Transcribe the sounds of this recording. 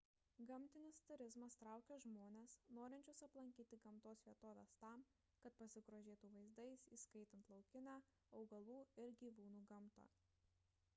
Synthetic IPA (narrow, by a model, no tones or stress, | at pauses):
ɡɐmʲt̪ʲɪnʲɪst̪ʊɾʲɪzmɐst̪ɾɑˑʊkʲoːʒmoːnʲesnoːɾʲɪnʲt͡ʃʲʊsɐplˠɐŋʲkʲiːt̪ʲɪɡɐmt̪oːsʋʲiɛt̪oːʋʲḛːst̪ɑˑm | kɐt̪̚pɐsʲɪɡɾoːʒʲeːt̪uːʋɐɪzd̪ɐɪsiːskɐɪt̪ʲɐnt̪lˠɒʊkʲɪnʲæ | ɐʊɡɐlˠuːɪɾɡʲiːʋuːnuːɡɐmˑt̪o̰